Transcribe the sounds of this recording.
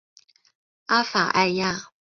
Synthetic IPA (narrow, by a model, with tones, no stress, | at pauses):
a˦˥fa̰˨˩ʔa˥˧ɪja˥˧˨